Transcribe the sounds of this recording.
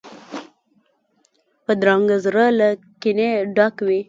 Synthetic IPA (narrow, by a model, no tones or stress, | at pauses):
pəd̪ɾɑŋɡazɾala | kineɖɑkwi